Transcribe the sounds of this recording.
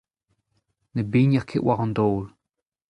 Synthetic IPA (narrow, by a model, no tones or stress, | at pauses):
nəbiːnʲjəkʰɪʔwʔaɣʊnd̪oːl